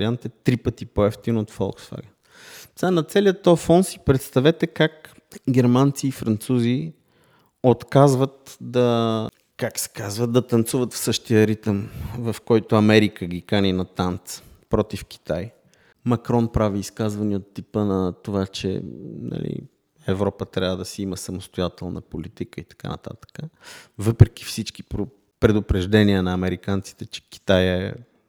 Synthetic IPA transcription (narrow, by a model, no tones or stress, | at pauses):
jant̪ɛt̪ɾipət̪ipoɛft̪inot̪fɔ̰lˠksfa̰ɡə | sanɐt̪sɛlijət̪ːɔjfɔnsipɾɛt̪st̪ɐvɛt̪ɛkak | ɡ̟ɛɾmant̪siːfɾɐnt̪suzi | ot̪kazvət̪̚d̪ɐ | kaksɛ̥kazvəd̪̚d̪ɐt̪ɐnt̪suvət̪fsɤʃt̪ijəɾit̪əmvɐfkɔjt̪oɐmɛɾikəɡʲikaninɐt̪ant̪s | pɾɔt̪ifk̟i̥t̪aj | mɐkɾɔnpɾaviːskazvɐniot̪ːipənɐt̪ovat͡ʃɛ̰nɐ̰lḭ | ɛvɾɔpət̪ɾʲavəd̪ɐsiiməsɐmost̪ojat̪ɛlˠnɐ̰polit̪ikəit̪ɐ̥ka̰nɐ̰t̪a̰t̪ə̥kəvɤpɾɛk̟i̥fsit͡ʃki̥pɾo | pɾɛd̪ʊpɾɛʒd̪ɛniənɐɐmɛɾikant̪si̥t̪ɛt͡ʃɛ̥ki̥t̪ajɛ